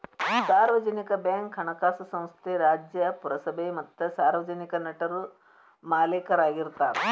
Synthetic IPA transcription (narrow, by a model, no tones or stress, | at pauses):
saːɾʋɐd͡ʒɐnikɐbjaːŋkɦɐɳɐkaːsɐsɐ̃w̃st̪ʰeɾaːd͡ʒjɐpuɾɐsɐbʱemɐt̪ːɐsaːɾʋɐd͡ʒɐnikɐnɐʈɐɾu | maːleːkɐɾaːɡiɾt̪aːɾe